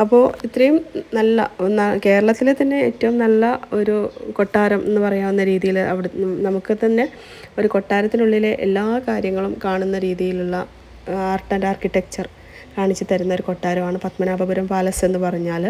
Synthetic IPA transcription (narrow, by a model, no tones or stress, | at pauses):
ɐpːo̞ːit̪ːɾɐjumnɐlːɐ̰nːɐke̞ːɾɐɭɐt̪ːilet̪ɐnːe̞eːtːɐʋumnɐlːɐo̞ɾuko̞ʈːaːɾɐmʔe̞nːɨpɐrɐjaːmenːɐɾiːðijilɐ̰ʋiɽnɐmukːɨt̪ɐnːe̞ | oɾuko̞ʈːaːɾɐt̪ːinuɭːile̞ʔelːaːkaːɾjɐŋːɐɭumkaːɳunːɐɾiːðijiluɭːɐ | aːrʈːɐndaːrkiʈːek̚t͡ɕɐr | kaːɳit͡ɕːɨt̪ɐɾunːɐo̞ɾuko̞ʈːaːɾɐmaːɳɨpɐt̪mɐnaːbʱɐbɐɾɐmpaːlɐse̞nːɨpɐrɐɲːaːl